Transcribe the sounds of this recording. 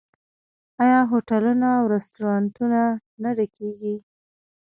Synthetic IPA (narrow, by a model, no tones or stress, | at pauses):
ajɑɦoʈalunaːwɾɛst̪uɾɑnt̪unanaɽakeɡi